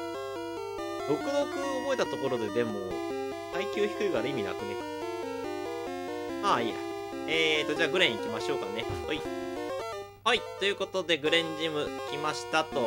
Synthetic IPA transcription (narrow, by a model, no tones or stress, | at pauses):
ɾo̞kɯ̟d̪o̞kɯ̟obo̞e̞t̪at̪o̞ko̞ɾo̞d̪ed̪e̞mo̞ | aikʲɨːçi̥kɯ̟iɡaɾɯimʲina̰kɯ̟ne | mai | eːt̪ːo̞d͡ʑaːɡɯ̟ɾẽikʲimaɕo̞ːkanehai | hait̪o̞jɯ̟ːko̞t̪o̞d̪e̞ɡɯ̟ɾẽ̞ɲ̟d͡ʑimɯ̟kʲimaɕi̥t̪at̪o̞